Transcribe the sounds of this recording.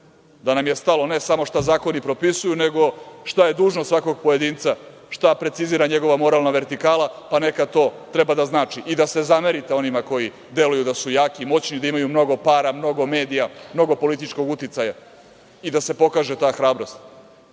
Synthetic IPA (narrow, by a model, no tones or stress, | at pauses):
d̪anamje̞st̪alo̞ne̞samo̞ʂt̪azaːko̞nipɾo̞pisujune̞ɡo̞ʃt̪aje̞d̪uːʒnosʋako̞ɡpojed̪iːnt̪sa | ʂt̪apɾe̞t̪siziːɾaɲe̞ɡo̞ʋamo̞ɾaːlnaʋe̞ɾt̪ikaːlapane̞kat̪o̞ːt̪ɾe̞bad̪aznaːt͡ʂiʔid̪ase̞zameɾit̪eo̞nimako̞ji | d̪e̞lujud̪asujaːkimo̞t͡ɕnid̪aimajumno̞ɡo̞paːɾamno̞ɡo̞me̞ːd̪ijamno̞ɡo̞po̞lit̪it͡ʂko̞ɡut̪it̪saja | id̪ase̞po̞kaːʒet̪aːxɾaːbɾo̞st̪